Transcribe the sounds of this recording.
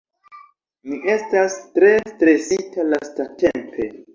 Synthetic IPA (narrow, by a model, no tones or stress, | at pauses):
miʔe̞stastɾe̞stɾe̞sitalastate̞mpʰe̞